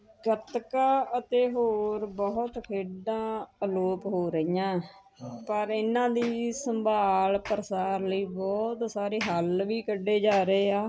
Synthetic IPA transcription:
ɡət̪kaːət̪eːɦoːɾbɔɦʊt̪kʰeːɖãːloːpɦoːɾəɪjãː | pəɾɪnãːd̪iːsəmbʱaːlpəɾəsaːɾləiːbɔːt̪saːɾeːɦəlʋiːkəɖːeːd͡ʒaːɾeːaː

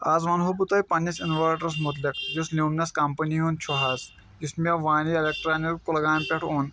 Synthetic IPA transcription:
aːzʋaːnɦobut̪ɐjpɐnɐsɪnʋaːɾʈɐɾs̬mʊt̪lɪkd͡ʒuslʲuːmnɐskɐmpɐniɦont͡ʃʰuɦaːz | d͡ʒɪsmeʋaːnielek̚ʈɾaːnikkolɐɡaːnpʲeʈʰoːn

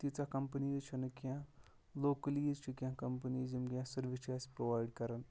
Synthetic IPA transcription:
t̪it͡sakɐmpənizt͡ʃʰinɨkjã | loːkəlizt͡ʃʰikʲjãkɐmpəniːzimɡʲjãsɐɾʋit͡ʃaːspɾoʋajɖkɐɾɐn

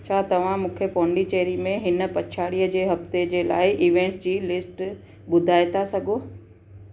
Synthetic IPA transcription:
t͡ɕʰaːt̪ɐʋ̤ãmũːkʰepɔːɳɖit͡ɕeːɾimẽɦɪnə̆pɐt͡ɕʰaːɽijəd͡ʑeːɦɐft̪ed͡ʑeːla̰ːɪʔiːʋẽːɳʈd͡ʑiːlɪsʈ | ɓʊd̪ʱaːɪt̪ʰasɐɡʱoː

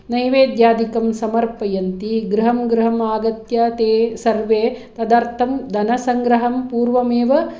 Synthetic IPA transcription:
nɐjʋeːd̪jaːd̪ikɐmsɐmɐɾpɐjɐnt̪iɡɾɐɦɐmɡɾɐɦɐmaːɡɐt̪jɐt̪eːsɐɾʋeːt̪ɐd̪aɾt̪ʰɐmd̪ɐnɐsɐŋɡɾɐɦɐmpuːɾʋɐmeːʋɐ

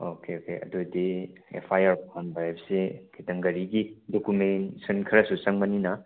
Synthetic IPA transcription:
okʰeokeʔɐ̰dudiḛpʰajaɾɔnbɾajbsekʰitɐŋɡɐɾiɡidokumensɐnkʰɐɾɐsusɐŋbɐninɐ

